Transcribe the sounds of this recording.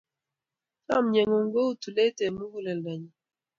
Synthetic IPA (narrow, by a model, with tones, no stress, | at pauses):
ta˦˨mɲe˨ŋo˨ŋ˦ɡo˦u˦tu˨le˦tɛ˨mu˦ɡu˦lɛ˨lda˨ɲi˨